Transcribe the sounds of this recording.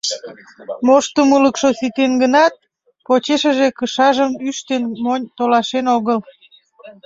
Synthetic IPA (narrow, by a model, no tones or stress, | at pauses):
moʃt̪əmuləkʃosit̪enɡənɑt̪̚ | pot͡ɕeʃəʒekəʃɑʒəmyʃt̪enmonʲt̪olɑʃenoɣəl